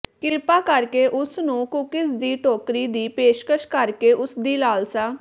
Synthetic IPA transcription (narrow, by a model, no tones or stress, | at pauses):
kɪɾpaːkəɾkeːʔʊsnũːkʊkɪsd̪iːʈoːkɾiːd̪iːpeːʃkəʃkəɾkeːʔʊsd̪iːlaːlsaː